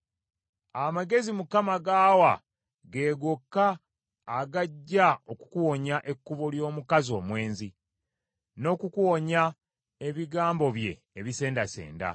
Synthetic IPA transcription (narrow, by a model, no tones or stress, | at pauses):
amaɡe̞zimukamaɡaːwa | ɡe̞ːɡokːaː | ɡaɟːao̞ku̥kuwo̞ɲaʔe̞kːuβoljo̞ːmukazo̞ːmwe̞ːnzi | no̞kukuwoɲa | eβiɡaːmbo̞βje̞̰ːβise̞ːndasḛːnda̰